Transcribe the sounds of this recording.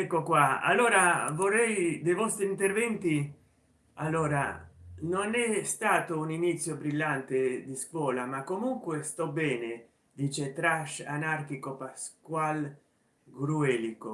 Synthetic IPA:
ɛkːokwaa̰lːoːɾavorːɛjd̪ejvɔst̪ɾint̪ervɛnt̪i | alːoːɾa̰nonɛst̪aːt̪ouninit̪sːjobɾilːant̪ed̪iskwɔːlamakːomuŋkwest̪ɔbɛːne | d̪iːt͡ʃet̪ɾaʃa̰nark̟ikopaskwal | ɡɾuɛːliko

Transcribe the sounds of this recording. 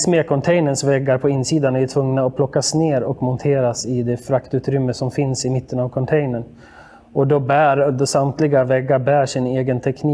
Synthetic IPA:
smeːkʰɔnt̪ʰɛjnəɳsvɛɡːaɾpʰɔɪnːsiːd̪anæʈ̪ʰvɵŋnaɔpʰlɔkːasneːɾɔkmɔnt̪ʰeːɾasɪd̪ɛfɾakt̪ʉ̟ːt̪ɾʏmːəsɔmfɪnsɪmɪt̪ːənavkʰɔnt̪ʰɛjnəɳ | ɔd̪ɔbæːɾd̪ɔsamt̪ʰlɪɡavɛɡːabæːʂɪneːɡənt̪ʰɛkniː

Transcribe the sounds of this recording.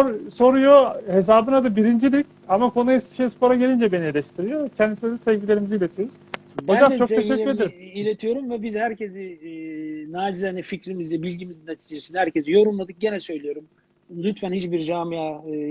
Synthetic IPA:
oɾso̞ɾujo̞he̞sz̬aːbɯnad̪abiɾind͡ʒilʲic | amakʰo̞naiscʲi̥ʃejispo̞ɾaɟelʲind͡ʒɛbenijelʲɛʃt̪ʰiɾijocʰɛnd̪isinɛd̪ɛsɛvɟilʲe̞ɾimiziːlʲe̞t̪ʰijoɾuz̥ | od͡ʒamt͡ʃo̞k̪ʰeʃɛied̪iɾilʲet̪ʰijo̞ɾumvɛbizhæɾcʰezi | naːd͡ʒizanificɾimizlʲɛbilʲɟimizinːet̪ʰid͡ʒesinihæɾcʰezijo̞ɾunˠmad̪ɯk̚ɟenɛsø̞jlʲijo̞ɾum | lʲyt̪fænhit͡ʃbiɾd͡ʒaːmia

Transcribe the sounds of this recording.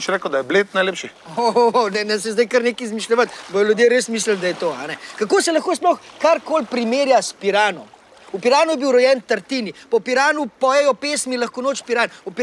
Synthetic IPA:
ʃɾeːkəwd̪ajɛblet̪̚najleːpʃi | onɛnɛs̬ɛzd̪ɐjkəɾneːkizmiʃlʲɛʋət̪bɔjɔljud̪jeːɾeːsmiːs̬ləld̪ajɛt̪oːa̰nɛkakoːsɛlɐxkoːsplɔxkaɾkoːlpɾimeːɾjaspiɾaːnɔ̰m | upiɾaːnujɛbiwɾɔjɛnt̪ɐɾt̪iːnipɔpiɾaːnupɔjɛjɔpeːsmilɐxkɔnoːt͡ʃpiɾanupi

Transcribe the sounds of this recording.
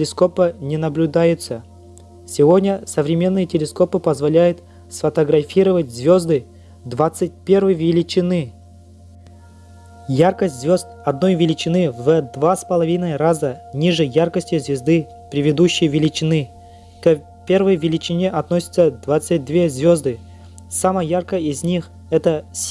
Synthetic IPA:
lʲɪsko̞pənʲɪnəblʲʉd̪ajʊt̪sə | sʲɪvo̞dʲnʲəsəvɾʲɪmʲe̞nːɨjətʲɪlʲɪsko̞pɨpəzvɐlʲæjʊt̪ | sfɐt̪əɡɾɐfʲiɾəvət̚ʲzvʲozd̪ɨ | d̪vat̪sɨt̚ʲpʲe̞rvɨjvʲɪlʲɪt͡ɕɪnɨ | jarkəsʲtʲzvʲo̞zt̪̚ɐd̪no̞jvʲɪlʲɪt͡ɕɪnɨvəd̪vaspəlˠɐvʲinəjɾazənʲiʐɨjarkəsʲtʲɪzvʲɪzd̪ɨ | pɾʲɪvʲɪd̪uɕːɪjvʲɪlʲɪt͡ɕɪnɨ | t̪o | pʲe̞rvəjvʲɪlʲɪt͡ɕɪnʲeʔɐt̪nosʲɪ̥t̪səd̪vat̪sɨt̚ʲd̪vʲe̞zvʲo̞zd̪ɨ | saməjjarkəjɪzʲnʲix | ɛt̪əsʲ

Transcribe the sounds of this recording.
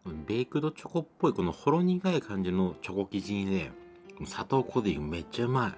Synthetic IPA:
ɯ̃be̞ːkɯ̟d̪o̞t͡ɕo̞ko̞pːo̞iko̞noho̞ɾo̞ɲ̟iɡaikʰãɲ̟d͡ʑino̞t͡ɕo̞ko̞kʲiʑĩd̪e | knsat̪o̞ːkʰo̞d̪iɡɯme̞t͡ɕːaɯ̟mai

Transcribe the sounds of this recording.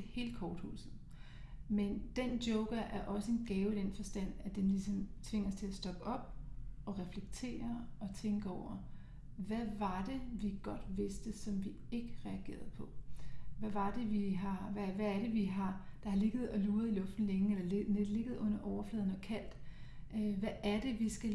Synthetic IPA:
he̝̰ːld̥kʰɒːd̥hṵːsð̩ˠ | mend̥end̥jɔʊɡ̥ɐʔæɐʔɒ̽səe̝nɡ̥ɛːʊid̥enfɒ̽sd̥æn̰æd̥enlisɒ̽mt͡sʰʋe̝ŋ̰ɐst͡sʰe̝læsd̥ɒ̽ɡ̥əɒ̽b̥ɒ̽ʁɛfleɡ̥̚t͡sʰe̝̰ːɐɒ̽t͡sʰeŋɡ̥əɒʊ̰ɐ | ʋæʋɑ̈d̥e̝ʋiɡ̥ɒ̽d̥ʋe̝sd̥əsɒ̽mʋi | e̝ɡ̥əʁɛæɡ̥e̝̰ːɐð̩ˠpʰɒ̽ʋæʋɑ̈d̥e̝ʋiɦɑ̈ʋæʋææɐɾ̥e̝ʋiɦɑ̈d̥ɑ̈hɑ̈le̝ɡ̥ð̞̩ˠɒ̽luːɐðˠilɔ̽fd̥n̩leŋəelɐnele̝ɡ̥ð̩ˠɔ̽n̰ɐʔɒʊɐflɛːð̞ˠn̩ɒ̽kʰæl̰d̥øʋæʔːɐde̝ʋisɡ̥æ

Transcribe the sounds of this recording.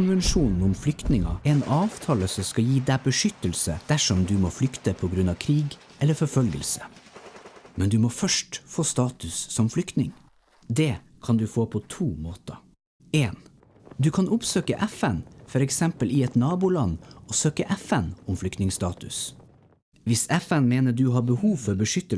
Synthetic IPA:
ʊnʋɛnʂuːnn̩ʊmflʏkt̪nɪŋɑ̰ɛnɑːʋt̪ʰɑːləsɔmskɑjiːd̪æbəʂʏt̪əlsəd̪̥æʂɔmd̪ʉmoːflʏkt̪əpʰɔɡɾʉnɑːʋkʰɾiːɡ | ʔɛlːəfɔɾfœlɡə̰lsə | mɛnd̪ʉmɔfœʂʈfoːst̪ɑːt̪ʉsːɔmflʏkt̪nɪŋ | d̪ɛ | kʰɑnd̪ʉfoːpʰɔt̪ʰuːmoːt̪ə | eːn | d̪ʉkʰɑnʊpsøːkəʔɛfɛnfɔɾɛksɛmpəlʔɪɛt̪nɑːbʊlɑnːɔsøːkəʔɛfɛnɔmflʏkt̪nɪŋst̪ɑːt̪ʉ̰s | ʋɪsɛfɛnmeːnəɖ̪ʉɦɑbəhuːʋfɔɾbəʂʏt̪ə

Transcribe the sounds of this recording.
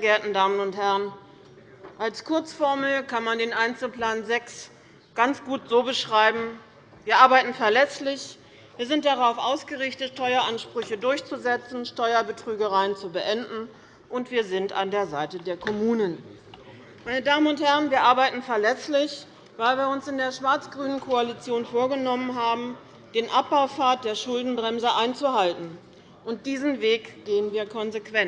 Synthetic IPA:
ɐɡeːɐtn̩daːmənʊnthɛʁən | ʔalskʰʊɐt͡sfɔɐml̩kanmandeːnʔaɪnt͡sl̩pl̥aːnzɛks | ɡ̥ant͡sɡ̥uːtz̥oːbəʃʁ̥aɪbm̩ | viːɐʔaɐbaɪtn̩fɛɐlɛslɪç | v̥iːɐzɪnt̚d̥aʁaʊfʔaʊsɡ̥əʁɪçtətʃtɔʏɐʔanʃpʁ̥ʏçədʊɐçt͡suzɛt͡sn̩ʃtɔʏɐbətʁ̥yːɡəʁaɪənt͡subəʔɛndn̩ | ʔʊntv̥iːɐzɪnta̰ndeːɐzaɪtədeːɐkʰɔmuːnən | maɪnədaːmənʊnthɛʁənviːɐʔaɐbaɪtn̩fɛɐlɛslɪç | vaɪlviːɐʊnsɪndeːɐʃv̥aɐt͡sɡ̥ʁyːnənkʰoalit͡sjoːnfoːɐɡənɔmənɦaːbm̩ | d̥eːnʔap̚b̥aʊfaːɐt̚d̥eːɐʃʊldn̩bʁɛmzəʔaɪnt͡suhaltn̩ | ʔʊnt̚d̥iːzn̩veːkɡ̥eːənviːɐkʰɔnzekv̥ɛn

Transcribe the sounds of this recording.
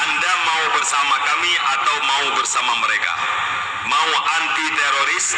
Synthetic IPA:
andamaubərsamakamiʔat̪awmaubərsamaməɾeka̰ | mauʔant̪it̪ɛɾoɾis

